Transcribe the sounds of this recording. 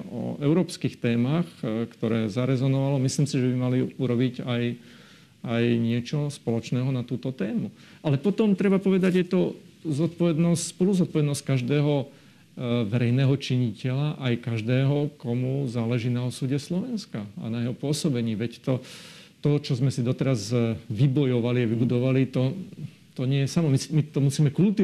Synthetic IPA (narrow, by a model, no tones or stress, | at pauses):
ɔ̰ɛʊɾɔːpskixt̪ɛːmaxkt̪ɔɾɛːzaɾɛzɔnɔʋalɔmisliːmsiʒɛbimaliuɾɔbiɟaj | ajɲɪɛt͡ʃɔspɔlɔt͡ʃnɛːɦɔnat̪uːt̪ɔt̪ɛːmu | alɛpɔt̪ɔmt̪ɾɛbapɔʋɛd̪aɟjɛt̪ɔzɔt̪̚pɔʋɛd̪nɔsspɔluzɔt̪pɔʋɛd̪nɔsckaʒd̪ɛːɦɔ | ʋɛɾɛjnɛːɦɔt͡ʃiɲicɛlaʔajkaʒd̪ɛːɦɔkɔmuzaːlɛʒiːnaɔsuːɟɛslɔʋɛnskaa̰najɛɦɔpʊɔsɔbɛɲiːʋɛct̪ɔ | t̪ɔt͡ʃɔzmɛsid̪ɔt̪ɛɾazʋibɔjɔʋaliaʋibud̪ɔʋalit̪ɔ | t̪ɔɲɪɛjɛsamɔmimit̪ɔmusiːmɛkult̪i